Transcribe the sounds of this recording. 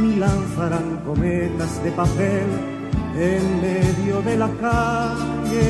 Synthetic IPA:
milanθaɾaŋkomet̪azðepapel | eŋmeðjoðelaka | e

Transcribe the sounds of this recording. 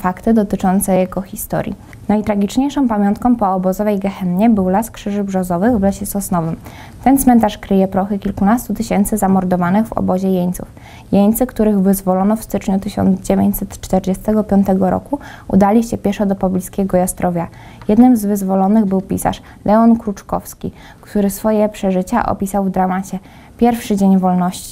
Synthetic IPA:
fakt̪ɘd̪ɔt̪ɘt͡ʂɔnt̪sɛjɛɡɔxʲist̪ɔ̰ɾʲjḭ | najit̪ɾaɡʲit͡ʂɲejʂɔ̃mpamʲjɔnt̪kɔ̃m̃pɔːbɔzɔvɛjɡɛxɛnɲɛbɘwlaskʂɘʐɘbʐɔzɔvɘɣvlɛɕɛsɔsnɔvɘm | t̪ɛnt̪smɛnt̪aʂkɾɘjɛpɾɔxɘkʲilkunast̪ut̪ɘɕɛnt̪sɘzamɔɾd̪ɔvanɘɣvɔ̰bɔʑɛjeɲt̪sṵf | jeɲt̪sɘkt̪uɾɘɣvɘzvɔlɔnɔfst̪ɘt͡ʂɲut̪ɘɕɔ̰nd̪zd͡ʑevʲjeɲt͡ɕʲsɛt̪t͡ʂt̪ɛɾd͡ʑɛst̪ɛɡɔpʲjɔnt̪ɛɡɔɾɔ̰ku | ṵd̪alʲiɕt͡ɕɛpʲjɛʂɔd̪ɔpɔblʲiskʲɛɡɔjast̪ɾʔɔvʲja | jɛd̪nɘmzvɘzvɔlɔnɘɣbɘwpʲḭsa̰ʂ | lʔɛɔnkɾut͡ʂkɔfskʲi | kt̪uɾɘsfɔjɛpʂɛʐɘt͡ɕa̰ʔɔ̰pʲisawvd̪ɾamat͡ɕɛ | pʲjɛɾfʂɘd͡ʑeɲvɔlnɔɕt͡ɕi̥

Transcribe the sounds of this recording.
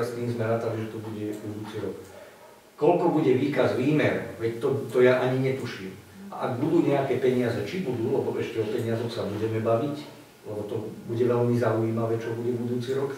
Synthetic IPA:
st̪iːmzmɛɾaːt̪aliʒɛt̪ɔbuɟɛbud̪uːt͡siɾɔk | kɔlkɔbuɟɛʋiːkazʋiːmɛɾʋɛct̪ɔt̪ɔjaʔaɲiɲɛt̪uʃimʔa̰ʔaɡbud̪uːɲɛakɛːpɛɲɪazɛt͡ʃibud̪uːlɛbɔʔɛʃcɛɔpɛɲɪazɔxsabuɟɛmɛbaʋic | lɛbɔt̪ɔbuɟɛʋɛʎmizauiːmaʋɛːt͡ʃɔbuɟɛbud̪uːt͡siɾɔk

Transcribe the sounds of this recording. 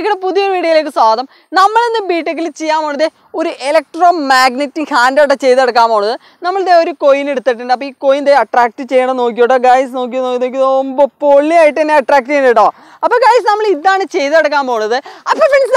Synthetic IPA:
kːiɽepuðuijɐʋiːɽɐjɐle̞ːkːɨswaːðɐm | nɐmːɐɭenːɨbiːʈːek̬ːilt͡ɕejːaːmoːɳːɐðe | oɾuʔelɐk̚ʈroːmaːɡnitːihaːndoʈːɐt͡ɕejt̪ːɐɽɐk̬ːaːmboːuɳːɐðɨ | nɐmːɐɭðeoɾukojineɽut̪ːiʈːɨɳɖɨɐp̬ːoːiːkojind̪eɐʈraːk̚ʈɨt͡ɕejːɐɳɐno̞ːk̬ijoːʈːoɡaːjɐsnoːk̬ijɐnokːinoːk̬ʲːjðombopoɭːiaːjiʈːenːeɐʈːraːk̚ʈɨenɐʈːoː | ɐpːoːɡaːjɐs̬nɐmːɐɭiðaːɳɨt͡ɕe̞jt̪ɐɐɽɐkːaːmboːuɳːɐðɨɐpːɐfils

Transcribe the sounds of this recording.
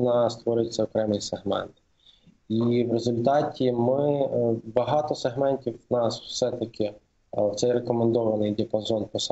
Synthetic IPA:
nɑst̪ʋɔɾɪt͡sʲːɐɔkɾɛmɪjseɦmɛ̰nt̪ | iwɾezʊlʲt̪ɑtʲimɪbɐɦɑt̪ɔseɦmɛnʲtʲiwnɑswsɛt̪ɐkʲʰɪ | wt̪sɛjrekɔmend̪ɔʋɐnɪjd̪ʲɪɐpɐzɔnpɔs

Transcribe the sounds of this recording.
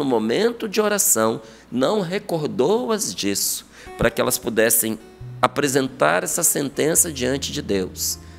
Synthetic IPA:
ʊmomẽnt̪ʊd͡ʒɪoɾasɐ̃w̃ | nɐ̃w̃ɦekoɾd̪owɐzd͡ʒisʊ̥ | pɾɐkɪɛ̰lɐspud̪ɛsẽj̃ | apɾezẽnt̪a̰ɾɛsɐsẽnt̪ẽsɐd͡ʒiɐ̃nt͡ʃɪd͡ʒɪd̪ews

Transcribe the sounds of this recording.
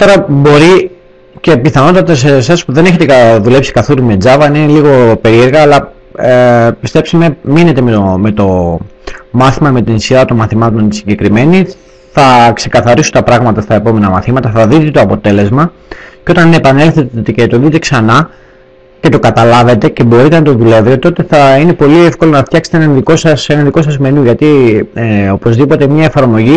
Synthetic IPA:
t̪o̞ɾɐbo̞ɾi | ce̞piθɐno̞t̪ɐt̪ɐsesɐspuðe̞neçe̞t̪ekɐðule̞psi̥kɐθoɾume̞d͡zɐvɐnineliɣo̞pe̞ɾie̞ɾɣɐːlɐ | epist̪e̞pseme̞mine̞t̪e̞meme̞t̪o̞ | mɐθimɐme̞t̪inisiðɐt̪o̞nmɐθimɐt̪o̞nt̪isiɲɟekɾime̞ni | θɐkse̞kɐθɐɾisut̪ɐpɾɐɣmɐt̪ɐst̪ɐepo̞me̞nɐmɐθimɐt̪ɐθɐðit̪et̪oɐpo̞t̪e̞le̞zmɐ | ceo̞t̪ɐninepɐne̞lθe̞t̪t̪cet̪o̞ðit̪e̞ksɐnɐ | ce̞t̪o̞kɐt̪ɐlɐve̞t̪e̞ce̞bo̞ɾit̪e̞nɐt̪o̞ðule̞vɾiot̪o̞t̪e̞θɐine̞po̞liefko̞lo̞nɐft̪çɐkse̥t̪enɐnðiko̞sɐsenɐnðiko̞sɐzme̞nuʝɐt̪ieo̞po̞zðipo̞t̪emɲɐe̞fɐɾmo̞ʝi

